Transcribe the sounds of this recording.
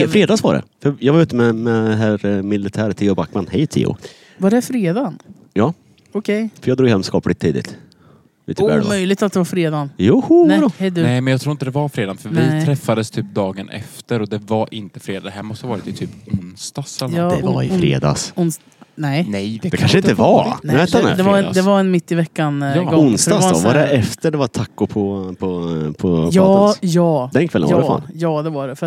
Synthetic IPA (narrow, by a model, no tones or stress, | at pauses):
ɛfɾeːd̪ɑːsva̰ɖɛ̰fœɾjɑːɡvaɾʉ̟ːt̪əmɛmɛɦæɾmɪlɪt̪ʰæːɾt̪ʰɪːʊbakːmanhɛjt̪ʰɪ̰ːʊ̰ | vaɖɛfɾeːd̪an | jɑː | ɔkʰɛjfœɾjɑːɡd̪ɾuːɡɦɛmskɑːplɪt̪ʰːiːd̪ɪ̰t̪ | lḭːt̪əɛ̰ɾmœjlɪɡ̚t̪at̪̚d̪ɛvaɾfɾeːd̪anjuːhhɛd̪nɛmɛnjɑkt̪ʰɾuːɾɪnt̪əd̪ɛvaɾfɾeːd̪anfœɾvɪt̪ʰɾɛfːad̪əst̪ʰyːp̚d̪ɑːɡənʔɛ̰ft̪əɾɔd̪ɛvaɾʔɪnt̪ə̥fɾeːd̪d̪ɛhæːɾmɔst̪əhavɑːɾɪt̪ɪt̪ʰyːpʊnst̪ɑsɛlːɛafɾḛːd̪ɑ̰sʊns | nɛnɛjd̪ɛkʰanʂɪt̪ːəvaɛnɛ̰d̪ɛvad̪ɛvaɾɛnmɪt̪ːɪvɛkːanɡɔʊnst̪ɑɔ̰vadɛʔɛft̪əɖɛvat̪ʰakːʊpʰɔpʰɔpʰɔɑːjɑːd̪ɛnkʰɛlːə̰ɾa̰njɑːd̪ɛvaɖɛfœɾat̪